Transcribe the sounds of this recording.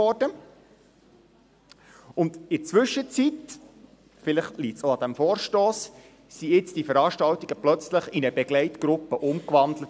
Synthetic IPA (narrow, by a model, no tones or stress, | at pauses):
ɔrdə | ʊnd̪ɪɾt͡sʋʏʃːət͡sit̪ | fɪlɪχtliːtsoɑd̥̪æmfɔːɾʃtoːs | siɪt͡sd̥ifəɾɑːʃtɑwt̪iɡ̥əplœt͡sləχɪnəbɛɡlɛɪt̪ɡɾʊpːəʔʊmkʋɑnd̪lət